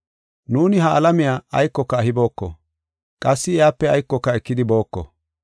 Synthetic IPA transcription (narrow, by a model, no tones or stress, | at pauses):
nuːnɪhɐːlɐmɪjaːɐjkːɔkːɐːhɪbo̞ːkːɔ̰ | kʼɐsːɪɪjaːpːɛɐjkːɔkːɐɛkːɪd̪ɪbo̞ːkːɔ̰